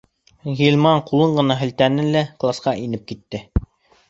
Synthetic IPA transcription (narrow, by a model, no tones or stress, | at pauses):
ɣʲilʲmɑɴqulˠɤɴɢɤ̆nɑɦɘ̆lt̪ænɘnlæklˠasqɑʔinɘp̚kit̪ːɘ